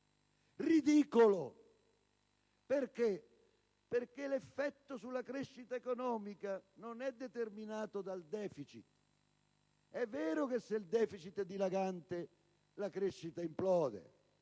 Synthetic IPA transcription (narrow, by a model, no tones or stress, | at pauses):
rid̪iːkolo | perke | perkelefːɛt̪ːosulːakɾeʃːit̪aekonɔːmikanonɛd̪ːet̪erminaːt̪od̪ald̪ɛːfit͡ʃḭt̪ | ɛvːɛːɾʊkesːeld̪ɛːfit͡ʃit̪d̪ilaɡant̪e | lakɾeʃːit̪aimplɔːd̪ḛ